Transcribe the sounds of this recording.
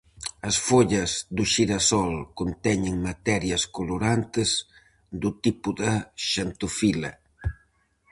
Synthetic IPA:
ɐsfoʎɐzðuʃiɾɐsɔlkont̪ɛɲɪŋmat̪ɛɾjɐskoloɾant̪ɪz | d̪ut̪ipuðɐʃant̪ufilɐ

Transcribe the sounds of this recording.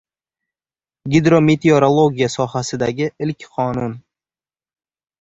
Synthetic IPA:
ɡʲɪd̪ɾo̞me̞t̪ʰeoɾolˠoɡʲijasɒhasɪd̪aɡʲɪɪlkʲqʰɒnʊn

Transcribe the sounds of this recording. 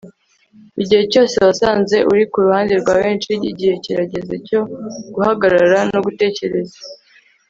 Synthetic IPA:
iɟihe̞co̞ːse̞βasaːnze̞ʔuɾikuɾuhaːndeɾɡwaːβe̞ːnt͡ʃiiɟihe̞ciɾaɟe̞zeco̞ɡ̥uhaɡaɾaaɾanoɡute̞ːce̞ɾe̞za

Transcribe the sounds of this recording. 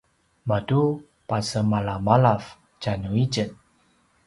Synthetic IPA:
madu | pasəmalamalaf | d͡ʒanuid͡ʒət̪̚

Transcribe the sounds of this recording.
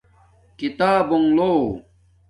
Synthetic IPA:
kit̪aːboŋloː

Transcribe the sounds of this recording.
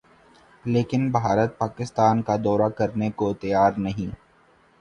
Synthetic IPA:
leːkɪnbʱaːɾət̪̚paːkɪst̪aːnkad̪ɔːɾakɐɾnekot̪ɐjaːɾnɐɦĩː

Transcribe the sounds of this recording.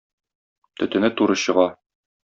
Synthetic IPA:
t̪ɵ̆t̪ɘ̆nɘt̪uɾɤɕɤ̆ʁɑ

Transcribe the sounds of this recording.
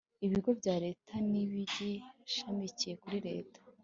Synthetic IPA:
iβiɡo̞vɟaːɾe̞ːtʰaniβiɟeaʃamicije̞kuɾiɾe̞̰ːtḁ

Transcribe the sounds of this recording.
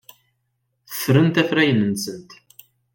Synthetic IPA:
θə̥θɾənt̪æθɾæjənənsənt̪

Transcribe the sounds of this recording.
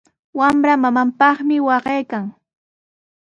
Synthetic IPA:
wamɾamamampɑχmɪwɑɢejkaŋ

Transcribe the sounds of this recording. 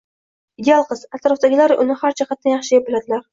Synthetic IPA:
ɪd̪ealˠqʰɨz̥at̪ɾɒfd̪aɡʲɪlaɾʔʊ̰nɪhaɾt͡ʃʰaχat̪̚ːanjɑχʃɪjapbɪlad̪ɪlaɾ

